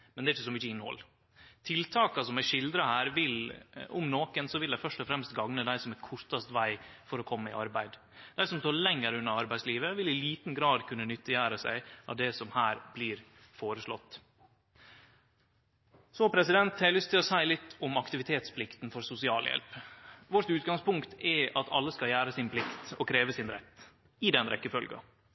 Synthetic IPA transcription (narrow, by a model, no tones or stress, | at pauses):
mɛnd̪ɛɾɪçːəsɔmʏçəɪnːhɔ̰lː | t̪ʰɪlt̪ʰɑːkɑsɔmæʂɪld̪ɾɑhæːɾʋɪlʊmnoːkənsɔʋɪld̪æɪfœʂʈɔfɾɛmst̪ɡɑŋnəd̪æɪsɔmækʰʊʂt̪ɑst̪ʋæɪfɔɾɔkʰɔmːəɪ̰ʔɑɾbæɪd̪ | d̪̥æɪsɔmst̪ʰɑːɭɛŋːəɾʉnːəɾɑɾbæɪsliːʋəʋɪlɪliːt̪n̩ɡɾɑːd̪kʰʉnːənʏt̪ːəjæːɾəsæ̰ɪɑ̰d̪ɛsɔmhæːɾb̥liːɾ | foːɾəʂlɔ̰t̪ː | sɔpʰɾɛsɪd̪ɛnt̪hæɪlʏst̪ʰɪlɔsæɪlɪt̪ːɔmɑkt̪ɪʋɪt̪ʰeːt̪spʰlɪkt̪nfɔɾsʊsɪɑːljɛ̰lpʋɔʈ̪ʉːt̪ɡɑŋspʊŋkt̪ʰɛʔɑt̪ʰɑ̰lːəskɑljæːɾəsɪnpʰlɪkt̪ɔkʰɾeːʋəsɪnɾɛt̪ː | ɪd̪ɛnɾɛkːəfœlɡɑ̰